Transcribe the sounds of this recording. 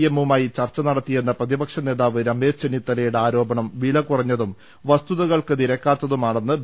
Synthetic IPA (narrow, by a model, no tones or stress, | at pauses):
emumaːjit͡ɕɐrt͡ɕːɐnɐɽɐt̪ːije̞nːɐprɐðibɐkʂɐne̞ːðaːʋɨɾɐme̞ːʂt͡ɕenit̪ːɐlɐjuɽeaːɾo̞ːbɐɳɐmʋiːɭɐkurɐɲːɐðum | ʋɐst̪uðɐɣɐɭkɨt̪iɾɐkːaːt̪ːɐðumaːɳenːɨ